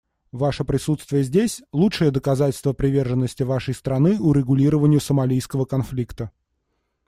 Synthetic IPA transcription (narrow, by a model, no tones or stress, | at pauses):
vaʂəpɾʲɪsut̪st̪vʲɪjəzʲdʲesʲlˠuʂɨjəd̪əkɐzatʲɪlʲst̪vəpɾʲɪvʲe̞rʐənːəsʲtʲɪvaʂəjst̪ɾɐnɨʊɾʲɪɡʊlʲiɾəvənʲɪjʊsəmɐlʲijskəvəkɐnflʲikt̪ə